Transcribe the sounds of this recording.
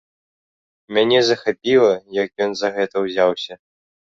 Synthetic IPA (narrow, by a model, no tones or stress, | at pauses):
mʲanʲɛzɐxapʲilˠɐjɐkjɔnzɐɣɛt̪ɐwzʲawsʲɐ